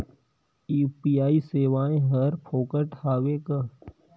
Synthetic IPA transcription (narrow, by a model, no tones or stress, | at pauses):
iːpiaːiseːʋaːẽɦəɾpʰoːkəʈhaːweka